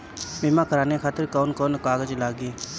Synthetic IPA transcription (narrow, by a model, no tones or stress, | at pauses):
bɪmãːkəɾaːnekʰaːt̪əɾkoːnkoːnkaːɡəd͡ʒlaːɡiː